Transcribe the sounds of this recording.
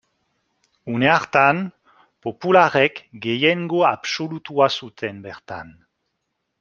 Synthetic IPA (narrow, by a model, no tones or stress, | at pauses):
uneaʁt̪an | populaʁɛkɡejɛŋɡoapsolut̪uasut̪ʰɛnbɛʁt̪a̰n